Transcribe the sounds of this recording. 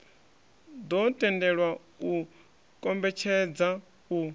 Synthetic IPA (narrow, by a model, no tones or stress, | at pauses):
d̪ɔtʼɛndɛɺwa | u | kʼɔmbɛt͡ʃʰɛd͡za | u